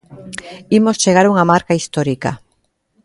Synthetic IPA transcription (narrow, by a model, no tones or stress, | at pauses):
imost͡ʃeɣ̞aɾuŋamaɾkaist̪oɾika̰